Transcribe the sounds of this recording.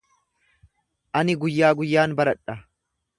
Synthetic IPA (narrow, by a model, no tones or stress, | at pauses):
ʔɐnɪɡʊjːaːɡʊjːaːnbɐɾɐᶑɐ